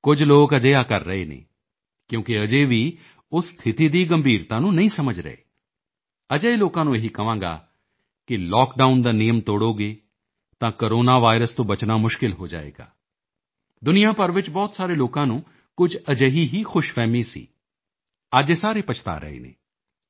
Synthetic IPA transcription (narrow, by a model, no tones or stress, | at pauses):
kʊd͡ʒʱloːkəd͡ʒəjaːkəɾːəɦeːnḛ̃ː | kjõːkiəd͡ʒeːʋiː | ʊst̪ʰɪt̪iːd̪iːɡəmbʱiːɾt̪ãːnũːnɐĩsəməd͡ʒɾə̰ḛː | əd͡ʒəeloːkãːnũːjeɦikəʋãːŋɡa̰ː | kɪlɔːk̚ɖaːʊnd̪aːnɪjəmt̪oːɽoːɡeː | t̪ãːkoɾoːnaːʋaːɪɾəst̪õːbət͡ʃnaːmʊʃkɪlɦoːd͡ʒa̰ːḛːɡa̰ː | d̪ʊnijãːpəɾʋɪt͡ʃbɔːt̪saːɾeːloːkãːnũː | kʊd͡ʒəd͡ʒeɦiːɦiːxʊʃfɛːmisḭː | ad͡ʒeːsaːɾeːpət͡ʃʰt̪a̰ːɾə̰ɦḛːnḛ̃ː